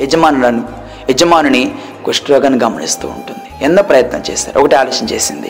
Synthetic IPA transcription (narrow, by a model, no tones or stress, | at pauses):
ed͡ʒɐmaːnulɐnu | ed͡ʒɐmaːnuni | koʂʈɾɔːɡɐnːiɡɐmɐnḭst̪ṵːɳʈund̪iɛnd̪opɾɐjɐt̪nɐmt͡ʃɛ̰ːsa̰ːɾuɔkɐʈiaːluːʂɐnt͡ʃeːsind̪ḭ